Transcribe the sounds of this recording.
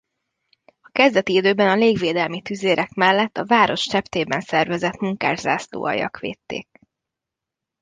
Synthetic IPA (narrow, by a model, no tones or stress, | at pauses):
ɒkɛzd̪ɛt̪iid̪øːbɛnɒleːɡʋeːd̪ɛlmit̪yzeːɾʔɛkmɛlːɛt̪ːɒvaːɾo̞ʃt͡ʃɛpt̪eːbɛnsɛrvɛzɛt̪muŋka̰ːrza̰ːslo̰ːʔɒ̰jɒ̰kʋḛːt̪ːḛːk̚